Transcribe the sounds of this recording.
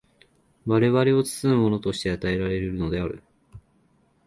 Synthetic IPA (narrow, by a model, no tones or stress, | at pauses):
βaɾe̞βaɾeo̞t͡sɨ̥t͡sɨɯmo̞no̞t̪o̞ɕi̥t̪e̞at̪ae̞ɾaɾe̞ɾeɾɯ̟no̞d̪e̞aɾɯ̟̰